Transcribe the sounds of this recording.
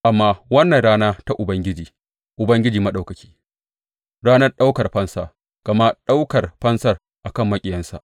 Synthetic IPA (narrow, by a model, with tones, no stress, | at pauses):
ʔa˨mːaː˦wɐ˦nːɐ˨nɽaː˦naː˦ta˦ʔʊ˨bɐ˦ŋɡʲɪ˦d͡ʒiː˨ | ʔʊ˨bɐ˦ŋɡʲɪ˦d͡ʒiː˨mɐ˦ɗa˨wkɐ˨kʲʰi̥ː˦ | ɽaː˦nɐ˦rɗa˦wkɐ˨rɸɐ˦nsaː˨ | ɡ̥ɐ˨ma˦ɗa˦wkɐ˨rɸɐ˦nsɐ˦˨r | ʔa˨kɐ˦˨mːɐ˦kʲʼɪ˨jɐ˦nsa̰˨ʔ